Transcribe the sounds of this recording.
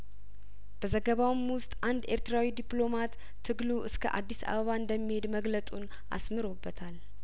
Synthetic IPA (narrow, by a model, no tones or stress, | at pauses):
b̥əzəɡəβawɨmwʊst̪ʼʔand̪e̞ɾt̪ɾawid̪iplo̞mat̪ʰː | ɨɡluʔɨskʰə̰ʔa̰d̪ːisa̰βəβaɨnd̪əmːihe̞d̪məɡlət̪ʼun | ʔa̰smɨɾo̞bːət̪ʰal